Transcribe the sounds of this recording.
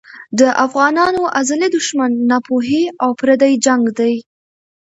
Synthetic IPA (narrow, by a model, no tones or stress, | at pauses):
d̪əʔafɣɑnɑnoʔazalid̪ʊʃmanːɑpoɦeawpɾad̪ajd͡ʒaŋɡd̪aj